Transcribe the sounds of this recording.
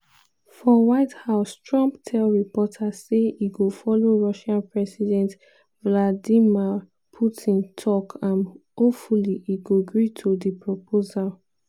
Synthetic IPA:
fɹɔ̃waɪthaʊstɹɔ̃mptʰɛlɹipɔtʰaseiɡofɔloɹɔʃãnpɹɛsidɛ̃nt | vladima | pʰutʰĩntʰɔkʰãnhofuliʔiɡoɡɹitʰodipɹopʰozal

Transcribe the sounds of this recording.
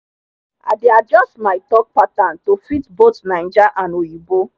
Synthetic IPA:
a̰dead͡ʒɔstmaɪtɔk̚patãntofitbotnaj̃nd͡ʒaʔãnojibo

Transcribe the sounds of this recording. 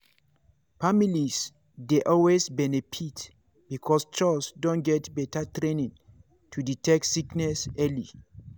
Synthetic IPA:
familis | deʔɔlwesbɛnefit | bikʰɔst͡ʃalsdõnɡɛtbɛtatɹẽnĩŋ | tʰuditʰɛk̚tsiknɛsɛli

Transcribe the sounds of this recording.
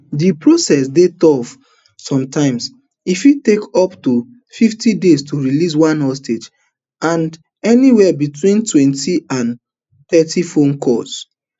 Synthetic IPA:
dipɹosɛsdetɔf | sɔ̃mtãɪ̃ms | ifitekɔptu | fiftidestʰuɹilis̬wãnhɔsted͡ʒ | ãn | ɛniwɛbitwĩntwɛ̃ntiãn | t̪ɛtifõnkʰɔs

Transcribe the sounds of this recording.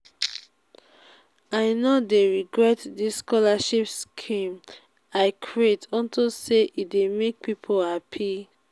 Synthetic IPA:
aɪnodeɹiɡɹɛtdisskɔlaʃipskʰĩm | aɪkʰɹietɔ̃ntʰoseʔidemek̚pipʰohapʰi

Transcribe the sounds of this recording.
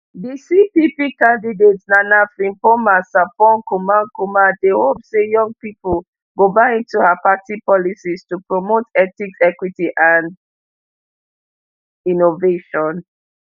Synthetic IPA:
bisipipikãndidetsnanafɹĩmpomasãpɔ̃nkumankumadehopsejɔ̃ŋɡ̚pipol | ɡobaɪĩntuhapatipɔlisistupɹomotɛtikɛkwitiʔãn | inoveʃɔ̃n

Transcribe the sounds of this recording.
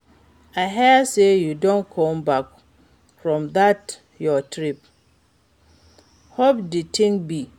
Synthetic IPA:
aɦɛsejudõnkʰɔ̃mbak | fɹɔ̃mðat | jɔtʰɾip | hopditʰɪ̃ŋk̚bi

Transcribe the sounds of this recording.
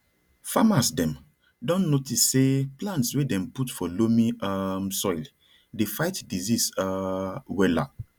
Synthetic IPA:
famasdɛ̃m | dɔ̃nːotisːeplãntswedɛ̃mputfɔlomĩamsɔjl | defajtdizisawɛla̰

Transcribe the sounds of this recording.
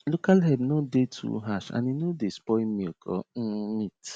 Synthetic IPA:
lokalɦɛbnodetʰṵɦaʃa̰ninodespɔmikʰɔ̰m̩mit

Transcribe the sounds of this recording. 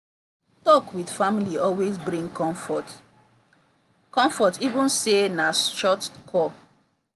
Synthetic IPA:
tɔkwidfamiliɔlwezbɹĩŋkʰɔ̃ɱfɔt | kɔ̃mfɔtivũnsenasʃɔtkʰɔ

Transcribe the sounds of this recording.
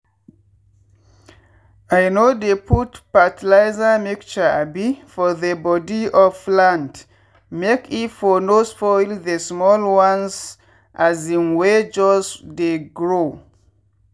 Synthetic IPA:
ajnodepʰutpatilaɪzəmikt͡ʃəabifɔðəbɔdiɔflãnd | mekitfɔnosfɔjlðesmɔlwãnz | ʔazĩnwɛd͡ʒɔsdeɡɹo

